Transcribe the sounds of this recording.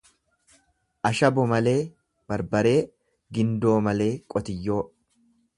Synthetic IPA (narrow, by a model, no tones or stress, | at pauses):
ʔɐʃɐbɔmɐle̞ː | b̥ɐɾbɐɾe̞ː | ɡɪnd̪o̞ːmɐle̞ːkʼɔt̪ɪjːo̞ː